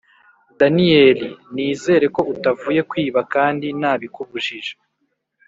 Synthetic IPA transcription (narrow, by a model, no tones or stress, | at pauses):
danijeːliniːze̞ːɾe̞ko̞ʔutavuːje̞kwiːβakaːndinaːβikuβuʒiʒe̥